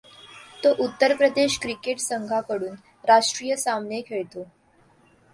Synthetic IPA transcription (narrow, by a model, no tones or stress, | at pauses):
t̪oʔut̪ːəɾpɾəd̪eɕkɾikeʈsəŋɡʱakəɽuːn | ɾaʂʈɾijəsamnekʰeɭt̪o